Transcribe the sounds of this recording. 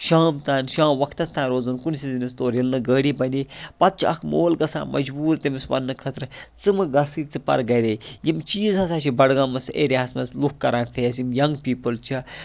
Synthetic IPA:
ʃaːmt̪aːnʃãːmʋɐkʰt̪ɐst̪ʰãːɾoːzunkunsʲizinist̪oːɾilnɨɡəːɽiːbɐnipɐt̪̚t͡ʃʰiɐ̰kʰmoːlɡɐsa̰ːmʔɐ̰d͡ʒbuːɾt̪imisʋɐ̰nːɨkʰɐt̪ɾɨt͡sɨmɨɡɐsɨt͡sɨpɐ̰ɾɡɐɾejimt͡ʃiːzɦɐsaːt͡ʃʰibɐɽɡãːmɐt͡sʰḛːɾʲeasmɐslukkɐɾaːnpʰeːsjimjɐŋɡpiːpɨlt͡ʃʰi

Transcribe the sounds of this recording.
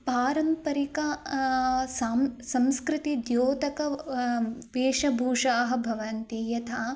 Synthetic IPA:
paːɾɐmpɐɾikɐ | samsɐ̃mskɾɪt̪id̪joːt̪ɐkɐ | ʋeːʂɐbʱuːʂaːɦɐ̆bʱɐʋɐnt̪iːjɐt̪ʰɐ

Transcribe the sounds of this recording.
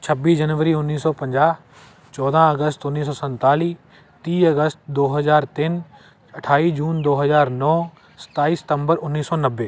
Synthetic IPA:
t͡ʃʰɐbiːd͡ʒɐnʋəɾiʊnːiːsɔːpɐ̃ɲd͡ʒaːɦ | t͡ʃɔːd̪ãɐɡəst̪ʊnːiːsɔːsɐ̃nt̪aːliː | t̪iːɐɡəst̪d̪oːɦɐzaːɾt̪ɪn | ɐʈʰaːid͡ʒuːnd̪oːɦɐzaːɾnɔː | sɐ̥t̪aːiːsɪ̥t̪ə̃mbəɾʊnːiːsɔːnɐʋːeː

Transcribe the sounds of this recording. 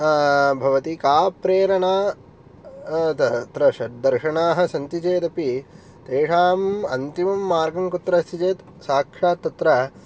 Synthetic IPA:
bʱɐʋɐt̪ikaːpɾeːɾɐɳaː | t̪ɐt̪ɾɐʃɐd̪ɐɾʃɐɳaːɦɐ̆sɐnt̪it͡ʃeːt̪ɐpi | t̪eːʂaːmɐnt̪imɐmːaːɾɡɐŋkut̪ːɾɐst̪it͡ʃeːt̪ | saːkʂaːt̪ːɐt̪ɾɐ

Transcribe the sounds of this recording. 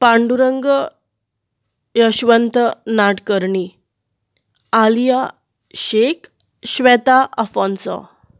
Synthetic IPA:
pãɳɖuɾəŋɡə | jəɕʋənt̪ənaʈkəɾɳi | alija | ɕek | ɕʋɛt̪aʔəfɔ̃nsɔ̰

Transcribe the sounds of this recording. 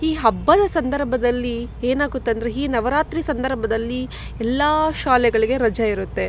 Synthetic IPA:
iːɦɐbːɐd̪ɐsɐnd̪ɐɾbʱɐd̪ɐlːieːnaːɡut̪ːeɐnd̪ɐɾeiːnɐʋɐɾaːt̪ɾisɐnd̪ɐɾbʱɐd̪ɐlːi | ɛlːɐʃaːlɛɡɐɭiɡe̞ɾɐd͡ʒɐiɾut̪ːe̞

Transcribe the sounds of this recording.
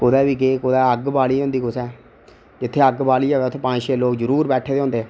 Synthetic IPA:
kʊd̪ɛːʋiːkeːkod̪ɛːəɡbaːliːõːnd̪iːkʊsɛː | d͡ʒɪt̪ʰːeːəɡbaːliːaːʋɛːt̪ʰːeːpãd͡ʒʃeːloːkzəɾuːɾbɛːʈʰeːd̪eõːnd̪eː

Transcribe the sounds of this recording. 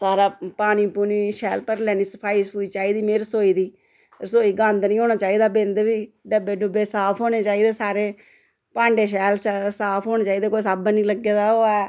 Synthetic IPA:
saːɾaːpaːñiːpuːniːʃɛːlpəɾlɛːniːsəpʰaːiːspuːiːt͡ʃaːiːd̪iːmeːɾəsoːiːd̪iː | ɾəsoːiːɡãːnd̪nĩːɦoːñaːt͡ʃaːiːd̪aːbẽnd̪ʋiːɖəbeːɖʊbeːsaːpʰɦoːneːt͡ʃaːiːd̪eːsaːɾeː | pãːɳɖeːʃɛːlsaːpʰɦoːñeːt͡ʃaːiːd̪eːkoːsaːbnĩːləɡːeːd̪aːoːɛː

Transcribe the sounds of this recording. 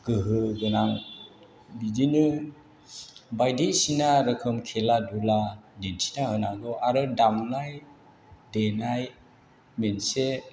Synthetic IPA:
ɡ̥ɯɦɯɡɯnaŋ | bidinɯ | bajdesinaɾɯkʰɯmkʰeladuladensi̥tahɯnaɡɔʔaɾɯdamlaj | denaj | mense

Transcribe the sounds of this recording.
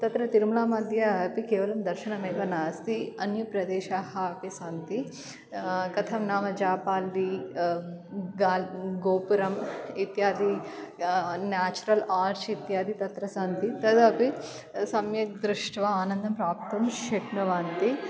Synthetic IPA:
t̪ɐt̪ɾɐt̪iɾmɐlaːmɐd̪ʱjɐɐpikeːʋɐlɐmd̪ɐɾʃɐnɐmeːkɐnaːst̪iɐnjɐpɾɐd̪eːʃaːɦɐpisaːnt̪i | kɐt̪ʰɐmnaːmɐd͡ʒaːpaːlːi | ɡaːɡoːpuɾɐmit̪jaːd̪i | naːt͡ʃuɾɐlaːɾt͡ʃit̪jaːd̪it̪ɐt̪ɾɐsaːnt̪it̪ɐt̪ɐpi | sɐmjɐd̪ɾuʂʈʋɐaːnɐnd̪ɐmpɾaːp̚t̪ɐmʃɐʈɳɐʋaːnt̪i

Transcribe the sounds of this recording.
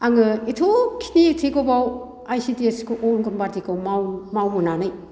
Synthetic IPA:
aŋɯetʰokʰi̥nitʰeɡobaw | ajsitieskʰoʔonɡɯnbaɾtikawmamawmunanɯj

